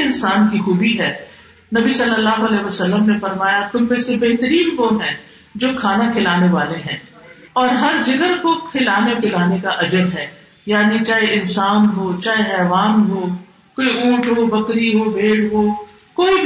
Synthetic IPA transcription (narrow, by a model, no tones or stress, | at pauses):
ɪnsaːnkixuːbiɦɛː | nɐbisɐlːəlːaːɦoɐlɛːɦʋəsɐlːəmnefɐɾmaːjat̪ʊnbẽːsebeɦt̪əɾiːnkɔːmɦɛ̃ː | d͡ʒoːkʰaːnakʰɪlaːneʋaːleɦɛ̰̃ː | ɔːɾɦɐɾd͡ʒɐɡəɾkokʰɪlaːnepɪlaːnekaʔɐd͡ʒəbɦɛː | jaːnit͡ʃaːɦeʔɪnsaːnɦoːt͡ʃaːɦeɦɛːʋaːnɦoː | koːiũːʈʰɦoːbɐkɾiɦoːbʱeːɽɦoː | koːib